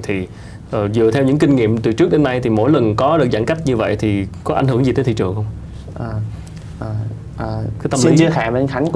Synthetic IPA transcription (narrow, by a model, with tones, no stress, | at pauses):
t̪ʰi˨˩ | ʔəː˨˩zɨ˨˩ət̪ʰɛ˧wɲɨ̰˧˥ŋki˧ŋ̟ŋḭ˧˨əmt̪ɨ˨˩t͡ɕɨ˦˥k̚ɗe˨˦nːa˧jt̪ʰi˨˩mo̰˧˥jlə˨˩nkɔ˨˦ɗɨ˨˩ək̚za̰˧˥ŋka˦˥k̟̚ɲɨ˧və̰˧˨jt̪ʰi˨˩kɔ˨˦a̰˧ŋ̟hɨ˧˩əŋzi˨˩t̪e˨˦t̪ʰḭ˧˨t͡ɕɨ˨˩əŋxwŋ͡m | ʔaː˨˩ | ʔəː˨˩ | ʔəː˨˩kaː˨˦jt̪ə˧mli˦˨˦t͡ɕəxaː˧˩va˨˩˧xa˨˦jŋ